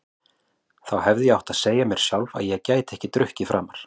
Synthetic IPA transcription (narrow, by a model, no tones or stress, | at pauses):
θawhɛvðɪjɛawht̪aðseːjamjɛɾ̥sjawlva̰ðjɛɣcaːjt̪ɛhcɪt̪ɾʏhcɪfɾʔa̰ːmaɾ̥